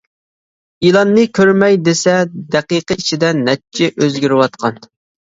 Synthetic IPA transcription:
ilˠɑnːɨkʲʰøɾmɛjd̪esɛd̪ɛqiqəit͡ʃʰid̪ɛnnːɛt͡ʃʰːɪʔøzɡʲyɾɪwɑt̪qʰɑn

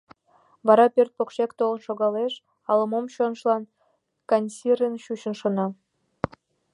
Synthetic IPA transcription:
βɑɾɑpʲørt̪̚pokʃekt̪olˠə̆nʃoɣɑleʃ | ɑlˠɤ̆momɕonʃlˠɑn | kɑnʲsʲirʲənɕuɕə̆nʃŏnɑ

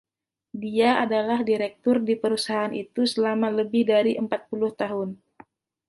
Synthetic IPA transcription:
diaadalahdiɾɛk̚t̪ʊrdipəɾusaɦaːnʔḭt̪usəlamaləbɪhdaɾiʔəmpat̪̚pulʊht̪aɦʊn

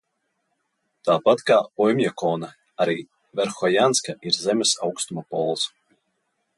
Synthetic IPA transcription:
t̪aːpat̪kaːɔjmʲjakɔːna | aɾiː | vɛɾxɔjanskaiɾzɛmʲɛsawkst̪umapɔ̰lˠs

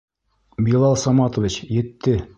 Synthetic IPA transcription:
bilˠɑlˠsɑmɑt̪ŏvʲit͡ɕjɘ̆t̪ːɘ

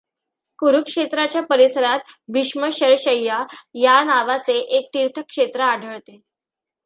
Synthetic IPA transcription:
kuɾukʂet̪ɾat͡ɕjapəɾisəɾat̪̚ʋiʂməɕəɾɕəjːajanaʋat͡seʔek̚t̪iɾt̪ʰəkːʂet̪ɾəaɖʱəɭt̪e

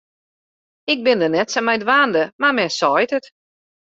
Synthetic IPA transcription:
ɪk̚bɪndənɛtsamɛjdʋaːndəmamɛnsɔjtət

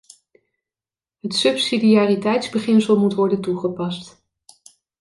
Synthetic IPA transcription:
ɦətsɵpsidiaːritɛjtzbəχɪnsəlˠmutʋɔɹdəntuχəpɑst

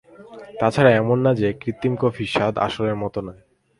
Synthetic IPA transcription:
t̪at͡ɕʰaɾaɛmonːad͡ʑekɾit̪ːimkofiʃad̪a̰ʃoleɾmɔt̪onɔe

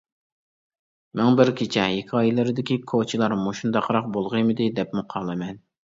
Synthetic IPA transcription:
mɛŋbɪɾkʲʰit͡ʃʰɛɦikʲʰɑːjilˠɨɾɪd̪ɪkʲikʰot͡ʃʰɪlˠɑɾmoʃund̪ɑqʰɾɑq̚bolˠʁɨmɨd̪ɪd̪ɛpmuqʰɑlˠɨmɛn

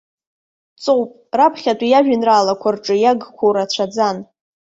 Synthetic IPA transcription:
t͡sʼowpʼrapʰχʲatʷʼijaʒᶣɪnraːlakʷʰarʈ͡ʂʼɨjaɡkʷʰowɾat͡ɕʷʰad͡zan

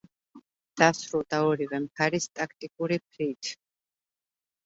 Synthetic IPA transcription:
d̪̥asɾulˠd̪aɔɾivɛmχaɾist̪ʼakʰt̪ʼikʼuɾip̚ʰɾit̪ʰ

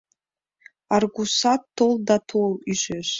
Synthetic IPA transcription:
arɡʷusatʰːoldatʰoliʒʷeʃ

